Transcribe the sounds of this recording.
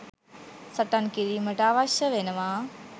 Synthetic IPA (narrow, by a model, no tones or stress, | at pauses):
səʈankiɾiməʈaːʋaɕjəʋenəʋa